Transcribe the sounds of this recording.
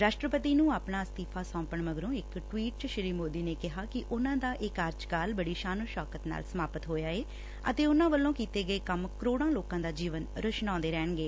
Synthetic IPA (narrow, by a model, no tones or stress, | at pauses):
ɾaːʃʈɾəpət̪iːnũːaːpɳaːst̪iːpʰaːsɔ̃ːmpəɳməɡɾõːɪkʈwiːʈʃɪɾiːmoːd̪iːneːkɪɦaːkɪʔʊnãːd̪aːʔɪkaːɾd͡ʒkaːlbəɽiːʃaːnõːʃɔːkət̪na̰ːlsəmaːpət̪ɦoːjaːeː | ə̰t̪eːʊnãːʋəlːõːkiːt̪eːɡəeːkəmkəɾoːɽ̃ãːloːkãːd̪aːd͡ʒiːʋənɾəʃnɔ̃ːnd̪eːɾɛːɳɡeː